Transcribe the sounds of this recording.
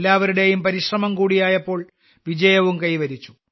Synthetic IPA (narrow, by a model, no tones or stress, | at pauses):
lːaːʋɐɾuɽe̞jumpɐɾiɕrɐmɐmkuːɽijaːjɐpːo̞ːɭ | ʋid͡ʑɐjɐʋumkɐjʋɐɾit͡ɕːu̥